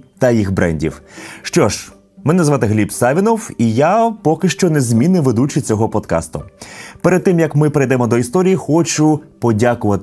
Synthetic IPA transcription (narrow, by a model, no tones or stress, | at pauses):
t̪ɐjixbɾɛ̰nʲdʲḭwʃt͡ʃɔʒ | mɪnnɐzʋɑt̪ɪɦlʲipsɑʋʲinɔwijapɔkɪʃt͡ʃɔnezmʲinɪʋed̪ut͡ʃɪt͡sʲɔɦɔpɔd̪kɑ̰st̪ʊ̰peɾed̪̚t̪ːɪmjɐkmɪpeɾejd̪ɛmɔd̪ɔist̪ɔɾʲijixɔt͡ʃʊpɔdʲakʊʋɐt̪ɪ